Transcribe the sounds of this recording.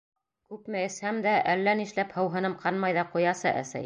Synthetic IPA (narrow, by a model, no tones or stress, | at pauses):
kʉpmɘ̆ɘ̆shæmd̪æʔælːæniʃlæphɤ̆wɦɤ̆nɤmqɑnmɑjðɑqujɑsɤʔæ̰sæ̰j